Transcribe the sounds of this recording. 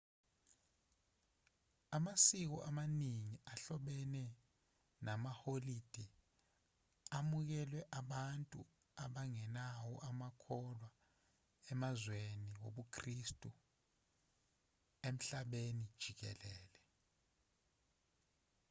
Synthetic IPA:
amasik̬ɔʔamaniŋiaɬɔɓɛnɛ | namaholid̥ʱi | amuk̬ɛlwɛʔaɓantʼṵ | aɓaŋɛnawɔʔamakʰɔlwa | ɛmazweniwoɓukʰristʼu | em̩ɬaɓenid̥ʒ̥ʱik̬ɛ̰lɛːlɛ

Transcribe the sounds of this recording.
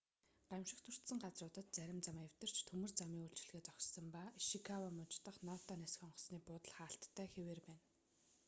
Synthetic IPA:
ɢ̥amʃɪ̆kt̪ʰɵr̥t̪sə̆ŋɢat͡srʊːt̪ə̆t̪̚t͡sæɾʲɪ̆mt͡samew̥ʲt̪ə̆r̥t͡ɕt̪ʰɵmɵ̆rt͡samiːŋuɬt͡ɕɪ̆ɮɣeːt͡sɔkʲsə̆mpaʃikʰawamʊt͡ɕt̪ə̆χnɔːt̪ʰɔnæsxɔɴɢɞ̆sniːpʊt̪ə̆ɮχaːɬt̪ʰːæːxeweːrpæːn

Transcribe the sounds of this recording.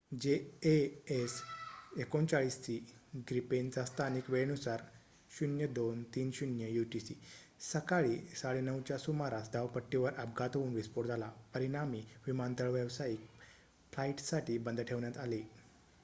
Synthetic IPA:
d͡ʑeeesekont͡ɕaɭiːst̪iɡɾipend͡zast̪ʰanikʋeɭnusaɾ | ɕunjəd̪ont̪iːnɕunjəjuʈisḭ | səkaɭiːsaɭenəwt͡ɕjasumaɾasd̪ʱaʋpəʈːiʋəɾʔəpɡat̪uːnʋispoɾd͡z̪alapəɾiɽ̃amiʋimant̪əɭʋəʋsaik | flaiʈsaʈʰiːbənd̪ʱəʈʰeʋɳjat̪ali

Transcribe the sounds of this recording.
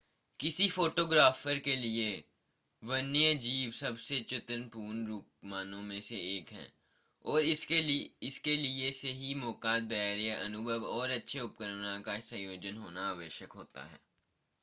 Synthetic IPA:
kɪsifoːʈoːɡɾaːfəɾkelie | ʋənijəd͡ʒiːʋsɐbset͡ʃɪt̪ənpuːnɾuːk̚maːnõmẽseeːkɦɛ̰̃ː | ɔːɾɪɪskelieseɦimɔːkaːt̪̚d̪ɐaːɾjaʔɐnʊbʱəʋɔːɾɐtːʃʰeʊp̚kəɾənãkasə̃joːd͡ʒənɦoːnaaːʋəʃjəkɦoːt̪a̰ɦɛ̰ː

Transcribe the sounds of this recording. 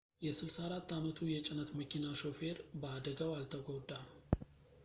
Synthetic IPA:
jɛsɨlsaaɾat̪ːamət̪ʰujɛt͡ʃʼɪnət̪məkʰinaʃo̞fe̞ɾbəad̪əɡawalt̪ʰəɡod̪a

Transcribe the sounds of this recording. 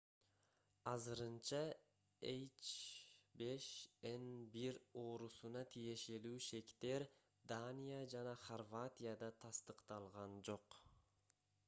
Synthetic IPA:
ɑzɯɾɯnt͡ʃɑ | ejt͡ʃbe̞ʃenbiɾo̞ːɾusunɑt̪ʰije̞ʃe̞luːʃe̞kt̪e̞ɾ | d̪anʲijad͡ʒɑnɑχorvat̪ʲijad̪ɑt̪ʰɑst̪ɯqt̪ɑlˠʁɑnd͡ʒo̞q

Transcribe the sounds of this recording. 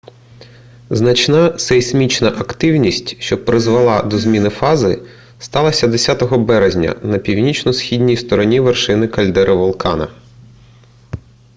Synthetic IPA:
znɐt͡ʃnɑsɛsʲmʲit͡ʃnɐʔɐkt̪ɪwnʲisʲtʲʃt͡ʃɔpɾɪzʋɐlˠɑd̪ɔzmʲinɪfɑzɪ | st̪ɑlˠɐsʲɐd̪esʲat̪ɔɦɔbɛɾezʲnʲɐ̰nɐpʲiwnʲit͡ʃnɔsxʲidʲnʲijst̪ɔɾɔnʲiʋerʃɪnɪkɐlʲd̪ɛɾɪʋɔlˠkɑnɐ̰

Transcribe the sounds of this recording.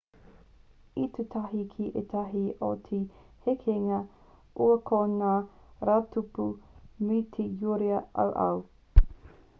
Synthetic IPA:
itutʰɐɦikʰiʔetʰɐɦiʔo̰tʰihekʰeŋɐ | ʔuɐkʰonaːɾaːtʰupumitʰejuɾiɐʔɐ̰wʔɐ̰w

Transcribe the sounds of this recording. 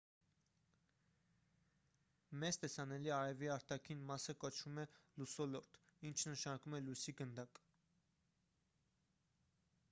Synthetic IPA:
mɛzt̪ɛsɑnɛliɑɾɛviɑɾt̪ɑkʰinmɑsəkɔt͡ʃʰvumɛlusɔlɔɾt̪int͡ʃʰnəʃɑnɑkumɛlujsiɡənd̪ɑk

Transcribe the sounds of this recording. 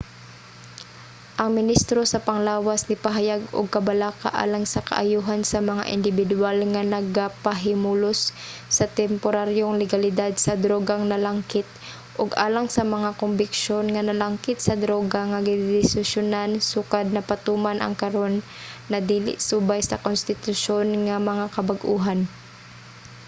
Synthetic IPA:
ʔɐŋmɪnist̪ɾosɐpɐŋlaːwasnɪpaɦajaɡʊ̰ɡ̚kɐbalaːka̰ʔa̰ːlaŋsɐkɐ̰ʔajuːɦansɐmɐŋa̰ʔɪ̰nd̪ɪbɪd̪walŋanɐɡapaɦɪmulʊsːɐt̪ɛmpoɾaɾjoŋlɛɡalɪd̪ad̪̚sɐd̪ɾoːɡaŋnɐlaŋkɪt̪̚ | ʔʊɡʔa̰ːlaŋsɐmɐŋakombɪkʃonŋɐnɐlaŋkɪt̪sɐd̪ɾoːɡaŋaɡɪd̪ɪsɪʃjʊnansukad̪̚nɐpɐt̪uːmanʔɐ̰ŋkɐɾonː | ɐd̪iːlɪ̰ʔsuːbajsɐkonst̪ɪt̪ʊʃonŋamɐŋakɐbaɡʔuːɦan

